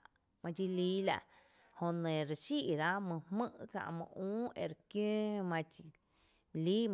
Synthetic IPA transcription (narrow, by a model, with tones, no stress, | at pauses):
mã˧t͡ʃi˧liː˦la̰˧ʔ | hõ˧nẽ˨ɾe˧ʃi˦ʔɾa˦mə̃˧hmɨ̃˦ʔkã̰˧ʔmə̰̃˧ũː˦e˧˨ɾkjõː˦mã˧t͡ʃi˧ | liː˦